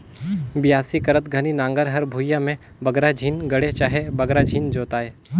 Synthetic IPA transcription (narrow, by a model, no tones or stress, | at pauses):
bɪjaːsikɐɾət̪ɡʱɐninãːŋɡəɾɦɐɾbʱuːjamẽ | bɐɡɾad͡ʒʱiːnɡɐɽet͡ʃaːɦebɐɡɾad͡ʒʱiːnd͡ʒoːt̪aːɦeː